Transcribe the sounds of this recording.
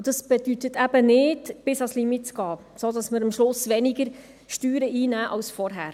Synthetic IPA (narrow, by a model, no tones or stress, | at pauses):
d̥ɑsb̥ɛdytətʰæbənɪdb̥ɪsɑslimit̚t͡sɡ̥ɑː | sodɑsməɾəmʃlʊsʋɛnɪɡəɾ | ʃtyːɾəʔiːnæːʔɑwsfɔɾɦæːɾ